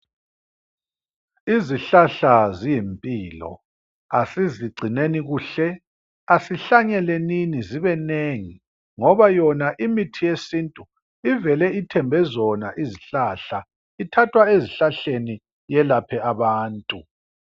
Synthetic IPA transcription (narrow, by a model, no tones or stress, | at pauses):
iziɬaɬazijimpʼiːlɔ̰ | asiziɡ͡ǀʱineniɣuːɬɛ | asiɬaɲɛleniniziβɛneŋi | ŋɔβajɔnaʔimitʰijesintʼu | ivɛlɛitʰɛmbʱɛzɔna̰ʔiziɬaɬa | itʰatʰwaeziɬaɬeni | jɛlapʰɛaβaːntʼu